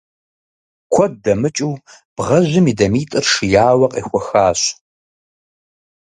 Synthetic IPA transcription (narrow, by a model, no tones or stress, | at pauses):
kʷʰɔd̚dɐmɨt͡ʃʼuː | b̥ʁɐʑʷɪmiːdɐmiːtʼɨrʂɨjaːwɐqʼḭːxʷɔxaːɕ